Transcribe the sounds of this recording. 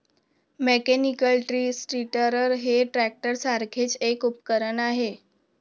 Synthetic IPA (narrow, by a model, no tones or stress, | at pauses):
mekenikəlʈɾiːsʈɾiʈəɾəɾɦeʈɾæk̚ʈəɾsaɾkʰet͡sekupkəɾəɳaɦe